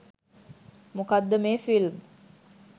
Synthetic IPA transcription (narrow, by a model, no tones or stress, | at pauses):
mukad̪ːəmeːfilm